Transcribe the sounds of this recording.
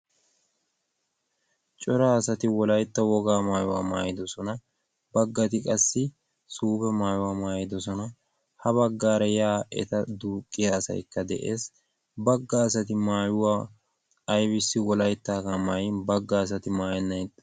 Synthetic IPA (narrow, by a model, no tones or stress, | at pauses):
t͡ʃʼɔɾaːɐsɐt̪ɪwɔlɐjt̪ːɐwɔɡaːmaːjʊwa̰ːma̰ːjɪd̪ɔsɔnɐ | bɐɡːɐt̪ɪkʼɐsːɪ | suːbɛmaːjʊwaːmaːjɪd̪ɔsɔnɐ | hɐbɐɡːaːɾɛjaːʔɛ̰t̪ɐd̪uːkʼːɪjɐːsɐ̰jkːɐd̪ɛ̰ʔeːs | bɐɡːɐːsɐt̪ɪmaːjʊwaː | ɐjbɪsːɪwɔlɐjt̪ːaːkamaːjbɐɡːɐːsɐt̪ɪmaːjɛnːɐjt̪